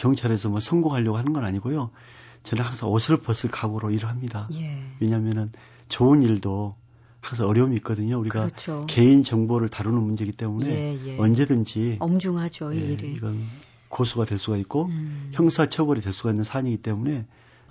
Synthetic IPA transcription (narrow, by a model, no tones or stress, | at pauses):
kjʌŋt͡ɕʰaɾesʰʌmasʰʌŋɡoŋɦaʎːʌɡohanɯnɡʌnaɲiɡojo | t͡ɕʌnɯnhaŋsʰaŋosʰɯɭpʌs͈ʰɯɭkaɡoɾoiɾɯɭɦamɲidajewe̞ɲamjʌnɯn | t͡ɕoɯniɭdo | haŋs̬ʰaŋʌɾjʌumiːk͈ʌdɯɲouɾiɡat͡ɕʰoke̞int͡ɕʌŋboɾɯɭtaɾunɯnmund͡ʑe̞ɡit͈e̞mune̞ʌnd͡ʑe̞dɯnd͡ʑimd͡ʑuŋad͡ʑojeiɡʌn | kosʰuɡadwe̞ɭs͈uɡait̚k͈oçjʌŋsʰat͡ɕʰʌbʌɾidwe̞ɭs͈uɡainːɯnsʰaɲiɡit͈e̞mune̞